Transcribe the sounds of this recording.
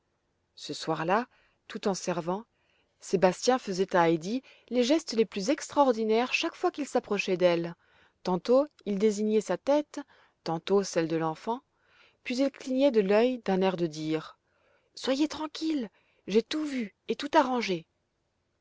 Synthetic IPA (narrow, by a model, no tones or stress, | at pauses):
səswaʁla | t̪ut̪ɑ̃sɛʁvɑ̃ | sebast̪jɛ̃fəzɛt̪aːjd̪i | leʒɛst̪leplyzɛkst̪χaɔʁd̪inɛʁʃakfwakilsapχɔʃɛd̪ɛl | t̪ɑ̃t̪oild̪eziɲɛsat̪ɛt̪ː | ɑ̃t̪osɛld̪əlɑ̃fɑ̃ | pɥizilkliɲɛd̪əlœjd̪ɛ̃nɛʁd̪əd̪iːʁ | swajet̪χɑ̃kʲil | ʒet̪uvy | et̪ut̪aʁɑ̃ʒe